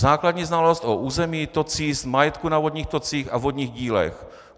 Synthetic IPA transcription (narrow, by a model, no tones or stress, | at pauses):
zaːkladɲiːznalost̪ʔoʔuːzɛmiːt̪ot͡siːsmajɛt̪kunavodɲiːxt̪ot͡siːxavɦod̪ɲiːɣɟiːlɛ̰x